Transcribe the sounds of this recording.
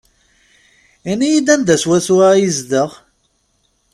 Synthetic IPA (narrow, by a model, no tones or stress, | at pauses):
ænijid̪ænd̪æswæsuwajizd̪əʁ